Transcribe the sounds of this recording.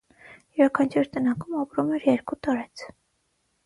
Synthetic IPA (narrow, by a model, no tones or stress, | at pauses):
jɔɾɑkʰɑnt͡ʃʰiɾt̪ənɑkumɑpɾumɛɾjɛɾkut̪ɑɾɛt͡sʰ